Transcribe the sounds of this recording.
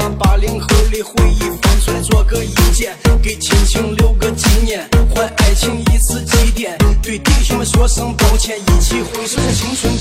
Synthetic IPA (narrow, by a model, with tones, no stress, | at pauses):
pa˧˥li˧˥ŋxɤ˧˥li˧˥˩xwe˥˧ɪi˥˩fa˧˥nsʰwa˧˩nt͡swɔ˥˧kɤ˥˩ŋi˧˥t͡ɕjɛ˥˩nke˨˩ɪt͡ɕʰi˧˥ŋɕʰi˧˥ŋljo˥˩ʊɡə˧t͡ɕi˧˥njɛ˥˩nxwa˥˩ʔa˥˩ɪt͡ɕʰi˧˥ŋi˧˥t͡sʰɹ̩˥˧t͡ɕi˧˥t̪jɛ˨˩˦nt̪we˥˧ɪt̪i˥˩ʂʊ˧˥ɕɔ˥ʂɤ˥ŋp̪ɑ˥ʊt͡ɕʰjɛ˥˩ni˧˩t͡ɕʰi˧˥˩xwe˧˥ɪʂwa˥˧nt͡ɕʰi˧˥ŋʂʰʊ˧˥ŋ